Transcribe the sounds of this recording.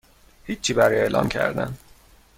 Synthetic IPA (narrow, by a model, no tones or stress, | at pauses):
hit͡ʃt͡ʃʰːiːbæɾjeːlʔɒ̰ːmcʰæ̰ɾd̪æ̰n